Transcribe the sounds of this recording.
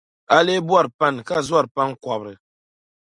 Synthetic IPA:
a˦le˦bwa˦˨ɾpa˦˨nka˦zwa˦ɾpa˦n˦kwa˨bɾɨ˨

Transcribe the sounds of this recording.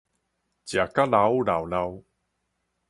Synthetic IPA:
t͡ɕja˨˩ka˦˥la˧wla˨˩wla˧w

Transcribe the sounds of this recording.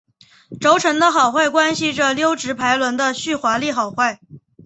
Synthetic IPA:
ʈ͡ʂo˧˥ʊʈ͡ʂʰɤ˧˥ŋd̪ə˧xɑ˨˩ʊxwa˥˩ɪkwa˥nɕi˨ʈ͡ʂə˨˩ljo˥ʊʈ͡ʂɻ̩˧˥pʰa˧˥ɪlwə˧˥nd̪ə˧ɕy˥˩xwa˧˥li˥˩xɑ˨˩ʊxwa˥˩ɪ

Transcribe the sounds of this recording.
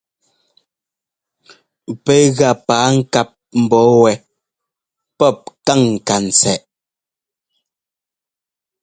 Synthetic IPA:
pɛ˨˦ɣa˨paː˨˦ŋ̩˦ka˦p̚m̩˨bɔː˨˦wɛ˨ | pɔ˦˨p̚ka˦˨ŋ̩ː˨ka˨n̩˨t͡sɛ˨ʔ

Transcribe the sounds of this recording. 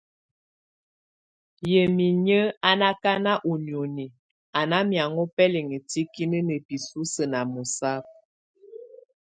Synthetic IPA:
jə˨mi˨ɲə˦a˦na˦ka˦na˦ʔu˨njo˨ni˨ | a˨na˦mja˨ŋɔ˦pɛ˦le˨ŋə˨ti˦ki˦nə˦nə˨pi˨su˦sə˨na˨mu˨sa˦p̚

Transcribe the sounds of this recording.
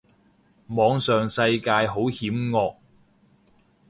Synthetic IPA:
mɔː˨˧ŋsœː˨ŋsɐ˧jkaː˧jɦo˨˥whiː˨˥mŋɔː˧k̚

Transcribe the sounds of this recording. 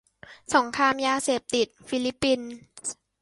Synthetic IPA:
sɔ˩˦ŋkʰɾaː˧mjaː˧seː˨˩p̚t̪i˨˩t̪̚fi˧˥li˦˥pːi˧n

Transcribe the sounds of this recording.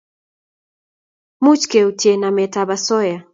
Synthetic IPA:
mu˦t͡ʃke˨utjenamɛ˨tabasɔ˦ja˨

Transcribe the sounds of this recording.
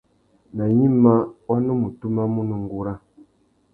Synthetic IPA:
na˨ɲi˦ma˦wa˦nu˦mu˨tu˦ma˦mu˦nu˨ŋ˦ɡu˦ɾa˦

